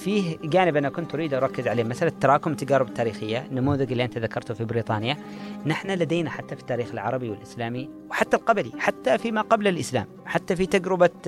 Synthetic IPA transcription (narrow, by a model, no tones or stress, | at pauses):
fiːɦd͡ʒaːnɪbʔɪnːakʊnt̪ʔʊɾiːd̪ʔɑɾˤɑkːɪzʕaleːmaθʔalat̪ːɑɾˤɑːkʊmt̪ad͡ʒaːɾɪbt̪ːaːɾiːxɪjːanːamuːðɪd͡ʒɪlːiʔant̪aðakʰɑɾˤt̪ʊfibɪɾiːt̪ˤɑːnjanɪħnalad̪eːnaħat̪ːafi̥t̪ːaːɾiːxɪlʕɑ̰ɾˤɑbiwɪlʔɪslaːmi | wħat̪ːalqɑblḭħat̪ːafimaqɑblalʔɪsla̰ːm | ħat̪ːafit̪aɡɾɪba